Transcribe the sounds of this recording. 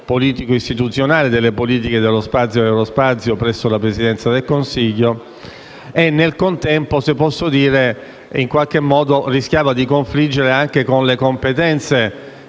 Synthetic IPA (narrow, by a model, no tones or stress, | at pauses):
poliːt̪ikoist̪it̪ut̪sːjonaːled̪elːepoliːt̪̬iked̪elːospat̪sjoɛwlospat̪sjopɾɛsːolapɾesid̪ɛnt̪sad̪elkonsiʎːo | enːelkont̪ɛmposepːɔsːod̪iːɾe | iŋkwalk̟emːɔːd̪oriskjaːvad̪ikoɱflid͡ʒːeɾeaŋk̟ekonlekompet̪ɛnt̪se